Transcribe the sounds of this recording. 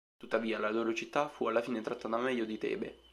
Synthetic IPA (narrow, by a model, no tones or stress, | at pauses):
t̪ut̪ːaviːalaloːɾot͡ʃit̪ːafualːafiːnet̪ɾat̪ːaːt̪amɛʎːod̪it̪ɛ̰ːbḛ